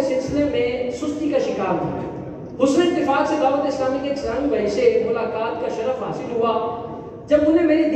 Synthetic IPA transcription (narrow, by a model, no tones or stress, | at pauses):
sɪlsɪlemẽsʊst̪ikaʃɪkaːɾa̰ | ɦʊsnɪkt̪ɪfaːksed̪aːʋət̪ɪslaːmikekaːɽ̃ĩʋɐɦɪsemʊlaːkaːt̪kaʃɐɾəfɦa̰ːsɪlɦʊaː | d͡ʒɐbʊnẽmeːɾed̪